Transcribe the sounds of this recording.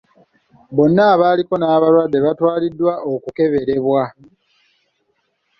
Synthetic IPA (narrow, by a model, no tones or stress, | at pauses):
bo̞nːaːβaːliko̞naːβalwadːe̞βatwaːlidːwaʔokuke̞βe̞ɾe̞βwa